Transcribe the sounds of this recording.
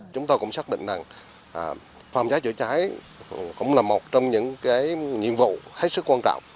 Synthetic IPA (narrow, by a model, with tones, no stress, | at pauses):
t͡ɕʊ˨˦ŋ͡mt̪o˧kʊ̰˧˥ŋ͡msaː˦˥k̚ɗḭ˧˨ŋ̟za˨˩ŋ | ʔ | faː˨˩mzaː˨˦jt͡ɕɨ˧˩t͡ɕaː˨˦j | kʊ̰˧˥ŋ͡mlaː˨˩mo˨˩t̚t͡ɕɔ˧wŋ͡mɲɨ̰˧˥ŋkaː˨˦jɲḭ˧˨ənvṵ˧˨he˦˥t̚sɨ˦˥k̚ːwaː˧nt͡ɕɔ̰˧˨wŋ͡m